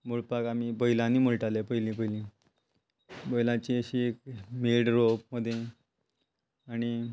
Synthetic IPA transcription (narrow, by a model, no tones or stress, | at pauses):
muɭpakamibəjlãniːməɭʈalepəjlĩpəɦjlĩ | bəjlãt͡ɕiəɕiekmelɖɾopməd̪ʱːje | aɽ̃i